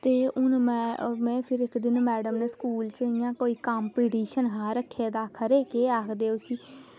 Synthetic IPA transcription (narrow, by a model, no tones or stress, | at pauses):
t̪eːʊnmɛ̃mɛ̃ːpʰɪɾɪkd̪ɪnmɛːɖəmneskuːlt͡ʃəɪjãːkoːiːkaːmpiːʈiːʃənɦaːɾəkʰːeːd̪aːkʰəɾeːkeːaːkʰd̪eːʊsĩː